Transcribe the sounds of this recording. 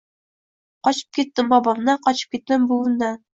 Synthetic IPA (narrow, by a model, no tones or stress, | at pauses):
qɒt͡ɕɤ̥p̚kʲit̪ːɘmbɒbɑmnɑqɒt͡ɕɤ̥p̚kʲit̪ːɘmbulˠŭnd̪ɑ